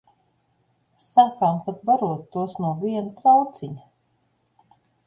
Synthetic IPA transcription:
saːkaːmpat̪̚baɾuɔt̪ːuɔsnuɔviɛnut̪ɾawt̪siɲ

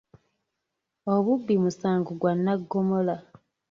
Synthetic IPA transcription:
o̞βubːimusaːŋɡuɡwanːaɡːomola

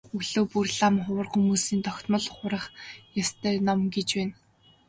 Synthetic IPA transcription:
uɮoːpurɮamχʊwə̆rχumuːsiːnt̪ʰɔxʲt̪mə̆ɮχʊɾə̆χjast̪ʰæːnɔmɡet͡ɕpæːn

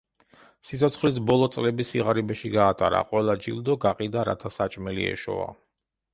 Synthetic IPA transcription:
sit̪sʰɔt̪sʰχlis̬bɔlˠɔt̪sʼlɛbisiʁaɾibɛʃiɡaːt̪ʰʼaɾa̰qʼwɛlˠad͡ʒild̪ɔɡaqʼid̪aɾa̰t̪ʰasat͡ʃʼmɛlḭɛ̰ʃɔ̰a̰

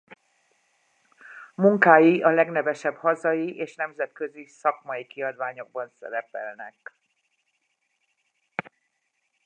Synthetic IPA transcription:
muŋkaːjiɒlɛɡnɛvɛʃɛbhɒzɒjiʔeːʃnɛmzɛt̪køzisɒkmɒjikiɒd̪ʋaːɲo̞ɡ̚bɒnsɛ̰ɾɛpɛ̰lnɛk

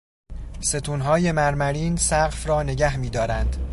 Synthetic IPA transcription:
se̞t̪ʰuːnɦɒːje̞mæɾmæɾiːnsæɢfrɒːne̞ɟæɦmiːd̪ɒːɾænd̪̥

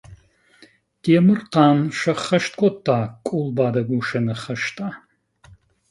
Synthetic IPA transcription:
d̥eːmɨrqɑːnʃɐχɐʃtkʷʰʼɔtʰaːkʷʼulbaːdɐɡʷuʃɐnɐχɐʃtʼaː

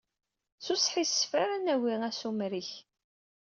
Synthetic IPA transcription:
susħisfaɾænæwiæsumɾiç

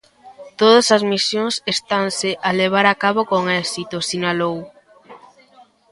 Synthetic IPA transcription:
t̪oðɐsɐzmisjoŋsest̪anseʔaleβ̞aɾakaβokoŋɛsit̪osinalow

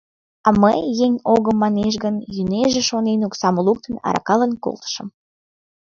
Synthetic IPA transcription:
ɑməjːeŋʲoɣəmːɑneʃ̬ɡənjyneʒeʃonenuksɑməluk̚t̪ə̆nɑ̰ɾɑ̰kɑlənko̰lt̪ə̥ʃə̆m

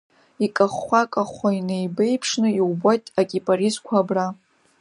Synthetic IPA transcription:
ikʼaχːakʼaχʷainejbejpʰʂnɨiwbajtʼakʲʼipʼaɾizkʷʰabra

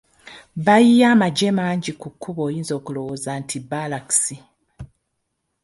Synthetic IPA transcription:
βajijaːmaɟe̞maːɲɟikukʰːuβo̞ːjiːnzo̞ːkulo̞woːzantʰibalaksi

